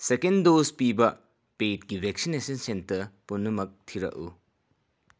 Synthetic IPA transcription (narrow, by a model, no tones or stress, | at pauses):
sekendospibɐ | pet̚ɡibʱek̚sinesɐnsentɐɾpunːɐmɐk̚tʰiɾɐ̰ʔṵ